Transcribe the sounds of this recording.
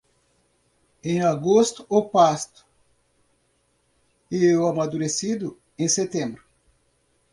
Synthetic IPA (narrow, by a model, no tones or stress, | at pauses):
ẽj̃aɡost̪ʊopast̪ʊ̥ | ewamad̪uɾesid̪ʊ | ẽset̪ẽmbɾʊ